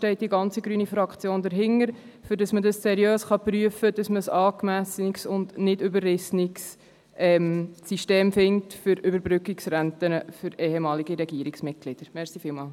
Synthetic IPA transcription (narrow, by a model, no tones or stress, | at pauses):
ʃtɛɪt̚d̥iɡɑnt͡siɡɾyːnifɾɑkt͡sjoːndəɾɦɪŋəɾ | fʏɾdɑsmədɑssɛɾiøːsχɑpryəfəd̥ɑsməsɑːkmæsksʊndnɪdʏbəɾːɪsnɪks | ʔɛmsiʃteːmfɪŋtfʏɾʏbəɾbɾʏkːɪksɾæntənəfʏɾeːhɛmɑːliɡiɾɛɡiːəɾɪksmɪt̚ɡ̥lɪd̥əɾmɛɾsifɪːlmɑːl